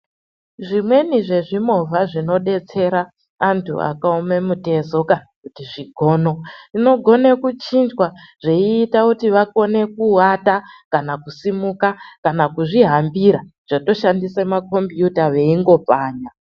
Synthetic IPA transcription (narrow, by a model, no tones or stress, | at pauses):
ʐimwe̞niʐe̞ʐimovaʐino̞ɗe̞t͡se̞ɾaː | ntʰṵa̰kaome̞mute̞zo̞ka | kutiʐiɡʱo̞ːno̞ino̞ɡʱo̞ne̞kut͡ʃind͡ʒwaʐeiːtakutiʋako̞ne̞kuatakanakusimukakanakuʐiɦambiɾaʐ̥ato̞ʃandisemako̞mpjutaʋe̞iŋɡo̞paːɲa